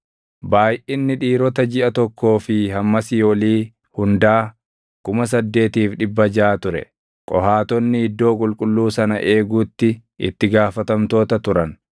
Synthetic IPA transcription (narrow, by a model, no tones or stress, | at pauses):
baːjʔɪnːɪᶑiːɾɔt̪ɐd͡ʒɪʔɐt̪ɔkːo̞ːfɪhɐmːɐsɪjoːliː | hʊnd̪aː | kʊmɐs̬ɐd̪ːe̞ːt̪iːfᶑɪbːɐd͡ʒaːt̪ʊɾɛ̰ | kʼɔ̰haːt̪ɔnːɪɪd̪ːo̞ːkʼʊlkʼʊlːuːsɐnɐʔe̞ːɡuːt̪ːɪ | ɪ̰t̪ːɪɡaːfɐt̪ɐmt̪o̞ːt̪ɐt̪ʊɾɐn